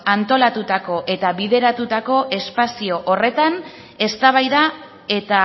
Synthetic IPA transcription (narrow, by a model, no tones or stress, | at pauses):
ant̪o̞lat̪ut̪ako̞ʔe̞t̪aβiðe̞ɾat̪ut̪ako̞ʔe̞spasio̞ʔore̞t̪an | e̞st̪aβ̞ajða | e̞t̪a